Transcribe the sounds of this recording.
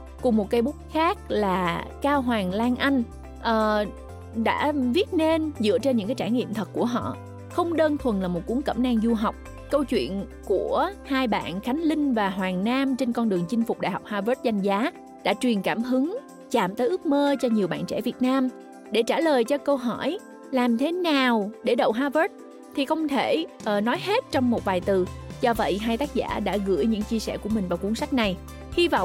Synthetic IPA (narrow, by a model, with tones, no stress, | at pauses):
kʊ˨˩ŋ͡mmo˨˩t̚kaː˧˦jɓu˦˥t̚xaː˦˥k̚laː˨˩kaː˧wɦwaː˨˩ŋlaː˧ŋʔa˧jŋ̟ | ʔəː˨˩ | ɗa̰ː˧˥vi˦˥ət̚ne˧nzɨ̰˧˨ət͡ɕe˧nɲɨ̰˧˥ŋkaː˨˦jt͡ɕaː˧˩jŋḭ˧˨əmt̪ʰə˨˩k̚kːu˧˩əɦɔ̰˧˨ | xə˧wŋ͡mɗəː˧nt̪ʰwə˨˩nlaː˨˩mo˨˩t̚ku˨˦əŋkə̰˧˩mnaː˧ŋzu˧ɦa˨˩wk͡p̚ | kə˧wt͡ɕwḭ˧˨ənku˧˩əhaː˧jɓa̰ː˧˨nxa˨˦jŋ̟lï˧ŋ̟vaː˨˩ɦwaː˨˩ŋnaː˧mt͡ɕe˧nkɔ˧nɗɨ˨˩əŋt͡ɕï˧ŋ̟fʊ˨˩k͡p̚ɗa̰ː˨˩jhɔ˨˩k͡p̚haː˧vəː˦˥t̚za˧jŋ̟zaː˨˦ | ɗa̰ː˧˥t͡ɕwi˨˩ənkaː˧˩mɦɨ˨˦ŋ | t͡ɕaː˧˩mt̪əː˨˦ʔɨ˦˥ək̚məː˧t͡ɕɔ˧ɲi˨˩əwɓa̰ː˧˨nt͡ɕɛ̰˧˩vi˨˩ət̚naː˧m | ɗe˧˩t͡ɕaː˧˩ləː˨˩jt͡ɕɔ˧kə˧wɦɔ˧˩j | laː˨˩mt̪ʰe˨˦naː˨˩wɗe˧˩ɗə̰˧˨wɦaː˧və˦˥t̚ | t̪ʰi˨˩xə˧wŋ͡mt̪ʰe˧˩ʔəː˨˩nɔ˨˦jhe˦˥t̚t͡ɕɔ˧wŋ͡mmo˨t̚vaː˨˩jt̪ɨ˨˩zɔ˧və̰˧˨jɦaː˧jt̪aː˦˥k̚za̰ː˧˩ɗa̰ː˧˥ɣɨ̰˧˥əjɲɨ̰˧˥ŋt͡ɕi˧əsɛ̰˧˩ku˧˩əmï˨˩ŋ̟vaː˨˩ku˧˦əŋsa˦˥k̟̚na˨˩j | hi˧vɔ̰˧˨wŋ͡m